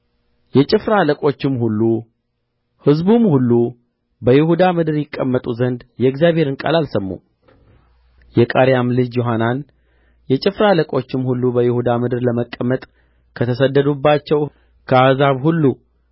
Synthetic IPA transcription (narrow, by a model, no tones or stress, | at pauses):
jɛt͡ʃʼɪfɾaləkʼo̞t͡ʃːɪmhulːu | hɨzbumhulːu | bəjɪhud̪amɨd̪ɨɾjɪkʼːəmːət̪ʼuzənd̪jɛɡzjaβhe̞ɾɨnkʼa̰lalsəmːṵ | jɛkʼaɾjamlɨd͡ʒjoɦanan | jɛt͡ʃʼɪfɾaləkʼo̞t͡ʃːɪmhulːubəjɪhud̪amɨd̪ɨɾləməkʼːəmːət̪ʼ | kʰət̪ʰəsəd̪ːəd̪ubːat͡ʃːɛw | kʰəahzaβhulːu